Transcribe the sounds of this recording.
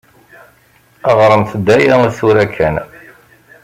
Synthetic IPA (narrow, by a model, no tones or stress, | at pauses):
əʁɾˤəmθd̪ːæjaəsuɾækʰːæn